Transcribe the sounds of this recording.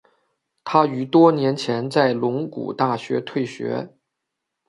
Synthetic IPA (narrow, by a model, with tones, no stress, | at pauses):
t̪ʰa˥y˧˥t̪wɔ˥njɛ˧˥nt͡ɕʰjɛ˧˥nt͡sa˥˩ɪlʊ˧˥ŋkṵ˨˩t̪a˥˩ɕɥɛ˧˥t̪ʰwe˥˩ɪɕɥɛ̰˧˥